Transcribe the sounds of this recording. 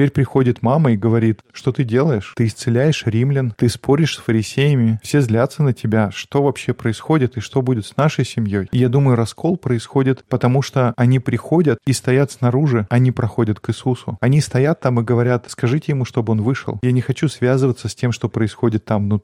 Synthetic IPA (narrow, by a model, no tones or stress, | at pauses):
ɪtpʲeɾʲpɾʲɪxo̞dʲɪt̪maməiɡəvɐɾʲit̪ʂt̪o̞t̪ɨdʲe̞lˠəjɪʂt̪ɨːst̪sɨlʲæjɪʂɾʲimlʲɪnt̪ɨspoɾʲɪʂsfəɾʲɪsʲejɪmʲɪfsʲe̞zlʲat̪sːənətʲɪbʲaʂt̪o̞vɐpɕːepɾəɪsxo̞dʲɪt̪ɨʂt̪o̞budʲɪt̪snaʂəjsʲɪmʲjo̞jɪjad̪uməjʊɾɐsko̞lˠpɾəɪsxo̞dʲɪt̪pət̪ɐmuʂt̪oɐnʲipɾʲɪxo̞dʲət̪ist̪ɐjat̪snɐɾuʐɨɐnʲipɾɐxo̞dʲət̪kɨsusʊ̰ɐnʲist̪ɐjat̪ːamɨɡəvɐɾʲat̪skɐʐɨtʲɪjɪmuʂt̪o̞bɨo̞nvɨʂɨ̰lˠjanʲɪxɐt͡ɕusvʲazɨvət̪səsʲtʲe̞mʂt̪o̞pɾəɪsxo̞dʲɪt̪ːamno